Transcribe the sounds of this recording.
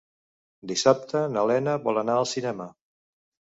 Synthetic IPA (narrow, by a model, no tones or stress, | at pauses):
d̪isap̚t̪ənəlɛnəβɔlˠənaəlˠsinɛmə